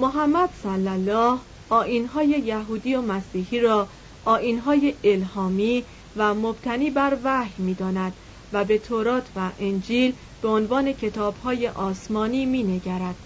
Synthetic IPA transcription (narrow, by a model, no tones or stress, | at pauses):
moɦæmːæd̪̥sælːælːɒːh | ʔɒːʔiːnɦɒːje̞jæɦuːd̪iːomæsiːhiːɾɒː | ʔɒːʔiːnɦɒːjeelhɒːmiː | væmob̥̚t̪ʰæniːbæɾvæhmiːd̪ɒːnæd̪̥ | væbe̞t̪ʰoɾɒːt̪ʰvæʔend͡ʒiːl | b̥e̞onvɒːne̞cʰe̞t̪ʰɒːb̥hɒːje̞ʔɒːsmɒːniːmiːne̞ɟæɾæd̪̥